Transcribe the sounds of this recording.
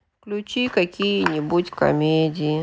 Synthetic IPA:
klʲut͡ʃikɐkʲijinʲibutʲkɐ̰mʲedʲi

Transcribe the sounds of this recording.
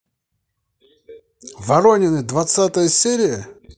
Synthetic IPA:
vɐɾonʲɪnɨd̪vɐt̪sat̪əjəsʲeɾʲɪjə

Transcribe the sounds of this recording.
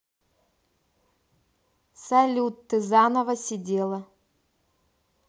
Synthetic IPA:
sɐlʲut̪ːɨzanəvəsʲɪdʲelˠə

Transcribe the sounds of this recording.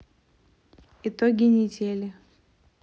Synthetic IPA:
ɪt̪oɡʲɪnʲɪdʲelʲɪ

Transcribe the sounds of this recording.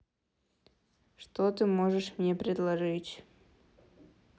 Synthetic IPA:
ʃt̪ot̪ɨmoʒɛʃmɲɛpɾʲed̪lˠaʒit͡ɕ

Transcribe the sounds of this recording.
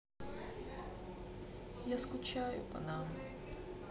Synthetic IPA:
jaskʊt͡ʃajʊ̰pɐ̰nanʊ

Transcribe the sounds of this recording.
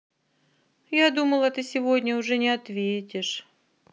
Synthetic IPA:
jad̪uməlˠət̪ɨsʲɪvodʲnʲəʊʐɛnʲɪɐt̪vʲetʲɪʂ

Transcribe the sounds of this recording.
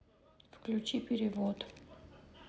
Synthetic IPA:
fklʲut͡ʃipiɾivɔt̪

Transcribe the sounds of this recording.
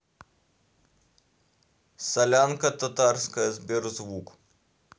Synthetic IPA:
sɐlʲankɐt̪ɐt̪ɑrskɐzʲbʲiɾzʋuk

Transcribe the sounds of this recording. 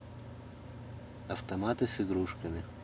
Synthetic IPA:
ɐft̪ɐmaːt̪ɨsiɡɾuːʂkɐmi

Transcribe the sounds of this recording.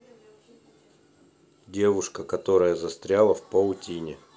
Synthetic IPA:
dʲe̞vʊʂkəkɐt̪o̞ɾəjəzɐst̪ɾʲalˠəfpəʊtʲinʲɪ

